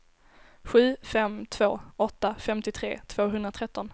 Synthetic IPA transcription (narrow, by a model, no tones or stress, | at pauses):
ɧʉ̟ːfɛmt̪ʰv̥oːɔt̪ːafɛmt̪ɪt̪ʰɾḛːt̪ʰv̥oːɦɵnd̪ɾat̪ʰɾɛt̪ːɔn